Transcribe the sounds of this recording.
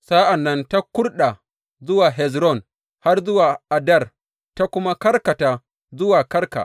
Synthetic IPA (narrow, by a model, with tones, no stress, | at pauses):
sa˦ʔa˨nːɐ˦nta˦kʷʊ˦rɗa˨ | zʊ˦waː˨ɦɛ˨z̬ɾɔ˦˨n | ha˦rzʊ˦waː˨ʔa˨dɐ˦˨r | ta˦kʷʊ˦ma˦kɐ˦rkɐ˨taː˨ | zʊ˦waː˨kɐ˦rka̰˨